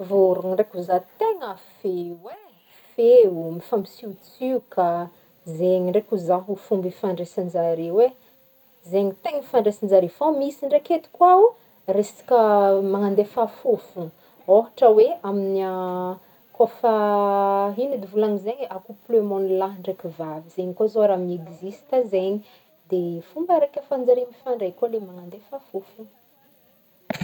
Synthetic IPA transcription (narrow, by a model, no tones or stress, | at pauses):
vuɾuŋiɳɖ͡ʐekuzat̪eŋəfewe | feumifambisiut͡syka | zeɲiɳɖ͡ʐekuzaɦufumbifaɳɖ͡ʐesand͡zaɾiwe | zeɲit̪eŋəfaɳɖ͡ʐesand͡zaɾifomisiɳɖ͡ʐeket̪i̥kwau | resḁkəmaŋand̪efafufu | oɦaʈ͡ʂəweaminia | kofa | ɦinid̪ivulaŋizeɲakuplømonlaɦɳɖ͡ʐekivaviz̥eɲikozoaɾamineɡizisi̥t̪azeɲi | d̪efumbəɾekʲəfand͡zaɾimifaɳɖ͡ʐejkolemaŋand̪efafufu